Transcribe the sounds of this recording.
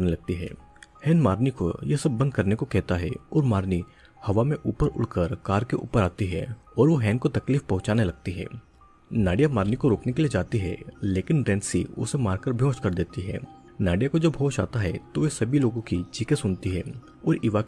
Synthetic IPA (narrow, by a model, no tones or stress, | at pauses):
nelɐɡ̚t̪iɦɛ̰ː | hɛːnmaːɾniko̰jesɐbːɐ̃nd̪̚ʱkɐɾnekokɛɦt̪aɦɛɔːɾmaːɾni | hɐʋamẽʔuːpəɾʊ̰ɽkəɾkaːɾkeʔṵːpəɾaːt̪iɦɛ | ɔːɾʋoɦɛːnkot̪ɐkliːfpɐɦʊ̃t͡ʃaːnelɐɡ̚t̪iɦɛ̰ː | naːɖijamaːɾnikoɾoːknekelied͡ʒaːt̪iɦɛ̰leːkɪnɾɛ̃ːnsḭʊ̰semaːɾkəɾbʱjõːʃkɐɾd̪eːt̪iɦɛ̰ː | naːɖijakod͡ʒoːbʱoːʃa̰ːt̪aɦɛt̪oʋesɐbʱiloːɡõkit͡ʃiːkesʊnt̪iɦɛː | ɔːɾɪʋa